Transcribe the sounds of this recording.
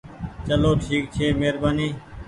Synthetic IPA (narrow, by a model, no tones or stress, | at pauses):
t͡ʃəloːʈʰiːk̚t͡ʃʰeːmeːɾbaːniː